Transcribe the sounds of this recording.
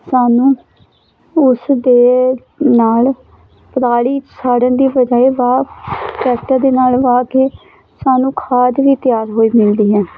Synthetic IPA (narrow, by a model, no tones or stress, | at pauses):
saːnũː | ʊsd̪eː | naːl | pəɾaːɽiːsaːɽənd̪iːbəd͡ʒaːeːʋaːpɛːkʈaːd̪eːnaːlʋaːkeː | saːnũːkʰaːd̪ʋiːt̪ɪjaːɾɦoːiːmɪld̪iːɦɛː